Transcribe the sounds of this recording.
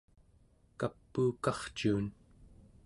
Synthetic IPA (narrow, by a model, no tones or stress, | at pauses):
kapːuːkɑχt͡ʃuːn